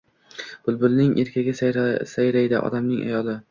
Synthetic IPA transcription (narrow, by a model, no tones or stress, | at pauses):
b̥ʊlˠbʊlnɪŋʔeɾkʲʰaɡʲɪssajɾajd̪ɪʔɒ̰d̪amnɪŋa̰jɒlˠɪ